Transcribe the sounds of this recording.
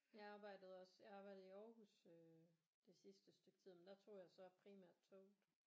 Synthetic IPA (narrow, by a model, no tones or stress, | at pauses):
jɑ̈ɑ̈ːb̥ɑ̈ɪ̰d̥əð̞̩ˠɒ̽sjɑ̈ɑ̈b̥ɑ̈ɪ̰d̥ð̩ˠiɒːhusø | d̥e̝sisd̥əsd̥øɡ̥̚t͡sʰið̰ˠmend̥æt͡sʰo̝̰ːjɑ̈ɪsɒ̽pʰʁimæɐ̰d̥̚t͡sʰɔʊd̥